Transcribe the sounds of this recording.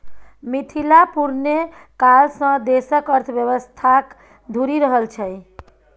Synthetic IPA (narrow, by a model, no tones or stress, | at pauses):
mit̪ʰilapuɾne | kalsə̃d̪esəkəɾt̪ʰbjəβəst̪ʰak | d̪ʱuɾiɾəɦəlt͡ʃʰəj